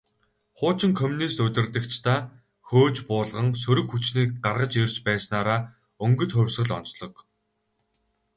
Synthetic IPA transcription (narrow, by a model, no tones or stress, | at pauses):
χʊːt͡ɕɪ̆ŋkʰɔmʲunist̪ɵt̪ʲɪ̆rt̪ɘ̆kt͡ɕʰt̪ʰaː | xoːt͡ɕpʊːɮʁə̆ŋs̬ɵɾɵ̆kxut͡ɕniːk̚ɢarʁə̆t͡ɕerʲt͡ɕpæːsnaːɾaː | ɵŋɡɵ̆t̪χɵwʲsʁə̆ɮɔ̰nt͡sɮɞ̆k